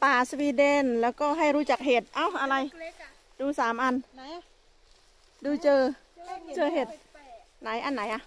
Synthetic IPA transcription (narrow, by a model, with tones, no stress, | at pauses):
paː˧˩swiː˧de˧˩nlɛː˨˦˥wkɔː˧˩ɦa˧˩jɾuː˦˥t͡ɕa˧˩k̚ɦe˨˩t̪̚ʔa˧˩wʔa˧ɾa˧j | duː˧saː˨˦mʔa˧n | duː˧t͡ɕɤː˧ | t͡ɕɤː˧ɦe˨˩t̪̚ | na˨˦jʔa˧˨nːa˨˩˦jʔa˧˩